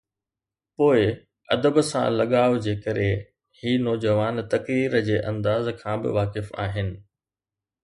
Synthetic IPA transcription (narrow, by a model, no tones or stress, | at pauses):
poːɪ | ɐ̰d̪əbsã̰lɐɠaːjod͡ʑeːkɐɾe | hiːnɔːd͡ʑəʋaːnt̪ɐkɾiːɾəd͡ʑeːʔɐ̃nd̪aːzkʰãːbɪ̰ʋaːkɪfa̰ːɦɪnɪ̆